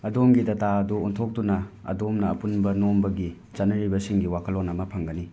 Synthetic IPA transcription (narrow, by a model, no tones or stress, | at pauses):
ɐdomɡidɐtaɐduuntʰok̚tunɐɐ̰domnɐːpunbɐnombɐɡi | t͡ʃɐnɐɾibɐsiŋɡiwakʰɐlonɐmɐpʰɐŋɡɐni